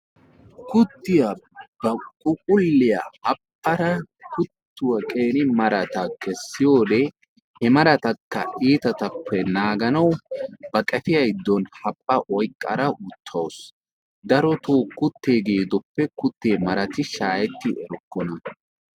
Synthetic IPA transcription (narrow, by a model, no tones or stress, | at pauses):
kʊt̪ːɪjabɐkʼʊkʼʊlːɪja̰ɐpːɐɾɐkʊt̪ːʊwɐkʼeːnɪmɐɾɐt̪ɐkʰɛsːɪjoːd̪e | hɛmɐɾɐt̪ɐkːɐiːt̪ɐt̪ɐpʰːɛnaːɡɐnɐwbɐkʼɛfɪjɐjd̪ːɔnhɐpʼːɐʔɔjkʼːɐ̰ɾɐʔʊt̪ʰːɐws | d̪ɐɾɔt̪oːkʊt̪ːeːɡeːd̪ɔpːɛkʊt̪ːeːmɐɾɐt̪ɪʃaːjɛt̪ːɪɛɾɔkːɔnɐ